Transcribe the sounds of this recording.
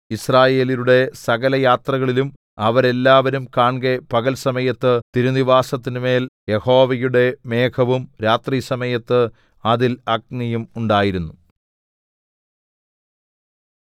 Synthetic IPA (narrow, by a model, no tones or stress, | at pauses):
israːje̞ːliluɽe̞sɐɣɐlɐjaːt̪rɐɣɐɭilum | ɐʋɐɾe̞lːaːʋɐɾumkaːɳɡepɐɣɐlsɐmɐjɐt̪ːɨt̪iɾuniʋaːsɐt̪ːinɨme̞ːljeho̞ːʋɐjuɽe̞me̞ːkʰɐʋumɾaːt̪riːsɐmɐjɐt̪ːɨ | ɐðilɐk̚nɐjumuɳɖaːjiɾunːu